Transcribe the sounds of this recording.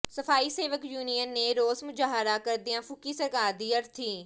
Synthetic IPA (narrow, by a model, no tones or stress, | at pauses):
sɐfaːiseːʋəkjuːnijənːeɾoːzmʊd͡ʒaːɦɾakəɾd̪ijãfʊkisəɾkaːɾd̪iːɐɾt̪ʰiː